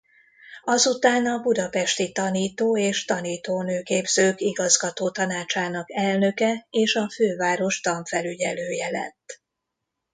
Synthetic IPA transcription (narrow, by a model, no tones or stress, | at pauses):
ɒzut̪aːnɒbud̪ɒpɛʃt̪it̪ɒniːt̪oːeːʃt̪ɒniːt̪oːnøːkeːbzøːkiɡɒzɡɒt̪oːt̪ɒnaːt͡ʃaːnɒkɛlnø̞kɛeːʃɒføːvaːɾo̞ʃt̪ɒɱfɛlyɟɛløːjɛlɛ̰t̪ː